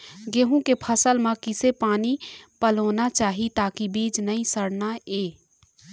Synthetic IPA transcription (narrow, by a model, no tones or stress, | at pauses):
ɡeɦũkepʰəsəlmãkɪsepaːnipəloːnat͡ʃaːɦit̪aːkibiːd͡ʒnəĩsəɽnaeː